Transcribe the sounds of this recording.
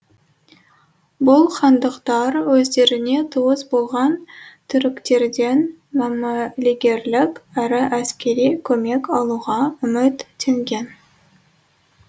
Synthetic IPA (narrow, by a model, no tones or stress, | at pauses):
bʊlˠqʰɑnd̪əqt̪ɑɾwɵzd̪e̞ɾɪne̞t̪ʰuwəsbo̞lˠʁɑnt̪ʰʏɾɪkt̪e̞ɾd̪e̞n | mɑmoliɡʲe̞ɾlɪkʲæɾɪʔæskʲe̞ɾijkʲʰɵme̞kɑlˠuʁɑʏmɪt̪ːe̞ŋɡʲe̞n